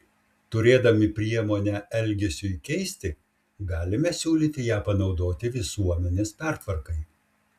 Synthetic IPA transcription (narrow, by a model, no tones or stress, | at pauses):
t̪ʊɾʲeːd̪ɐmʲɪpʲɾʲiɛmoːnʲæʔɛlʲɡʲɛsʲʊikʲɛɪsʲt̪ʲɪ | ɡɑːlʲɪmʲɛsʲuːlʲiːt̪ʲɪjæːpɐnɒʊd̪oːt̪ʲɪʋʲɪsuɔmʲɛnʲeːspʲæɾt̪ʋɐɾkɐɪ